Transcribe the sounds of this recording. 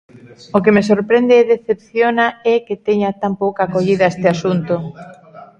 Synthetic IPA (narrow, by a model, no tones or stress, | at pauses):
okemesoɾpɾend̪eɛðeθep̚θjonaɛket̪eɲat̪ampowkakoʎiðɐest̪easunt̪o